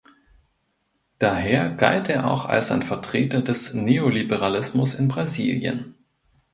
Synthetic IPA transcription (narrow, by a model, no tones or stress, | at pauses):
d̥aɦeːɐɡa̰lteːɐʔa̰ʊxa̰lsaɪnfɛɐtʁ̥eːtɐdɛsneolibəʁ̞alɪsmʊsɪnbʁazḭːljə̰n